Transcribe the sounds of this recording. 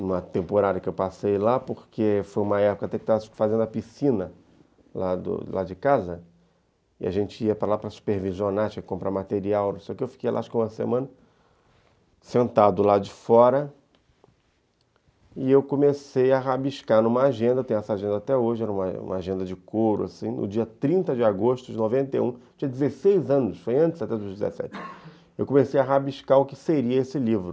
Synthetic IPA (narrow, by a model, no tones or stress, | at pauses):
ũmɐt̪ẽmpoɾad̪ɐkɪewpasejlapoɾkʰefojũmɐɛpʊkɐat̪ɛkɪt̪avɐfazẽd̪ʊɐpisĩnɐ | lad̪ʊ̰lad͡ʒɪkazɐ | ɪa̰ʒẽnt͡ʃɪiɐpɾɐlapɾɐsu̥peɾvizonaɾt͡ʃiɐkɪ̥kõpɾamat̪eɾiawnũseɔʊkewfi̥kejla̰ʃkũmɐsemɐ̃nɐ | sẽnt̪ad̪ʊlad͡ʒɪfɔɾɐ | ɪewkõmesejɐɦabiʃkanũmɐaʒẽnd̪ɐt̪ẽj̃ɛsaʒẽnd̪ɐat̪ɛoʒɪɛɾɐũmɐ̰ṵ̃mɐaʒẽnd̪ɐd͡ʒɪkoɾʊ̰asĩnʊ̰d͡ʒiɐt̪ɾĩnt̪ɐd͡ʒɪaɡoʃt̪ʊd͡ʒɪnovẽnt̪ḛjũt͡ʃĩɲɐd͡ʒɪzesejzɐ̃nʊʃfojɐ̃nt͡ʃɪ̥zat̪ɛd̪ʊʒd͡ʒɪzḛsɛ̰t͡ʃɪ̥ | ewkõmesejɐɦabiʃkaɾʊkɪ̥seɾiɐesɪlivɾʊ